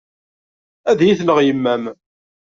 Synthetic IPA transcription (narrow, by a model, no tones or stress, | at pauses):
æðjiθləʁjəmːæm